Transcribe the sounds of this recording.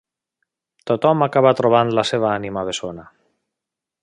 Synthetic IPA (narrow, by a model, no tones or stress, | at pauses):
t̪ot̪ɔmakaβat̪ɾoβ̞anlaseβ̞aanimaβ̞esona